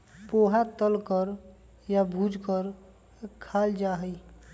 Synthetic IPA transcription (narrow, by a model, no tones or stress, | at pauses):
poɦat̪əlkəɾ | jabʱud͡ʒkəɾ | kʰald͡ʒaɦəj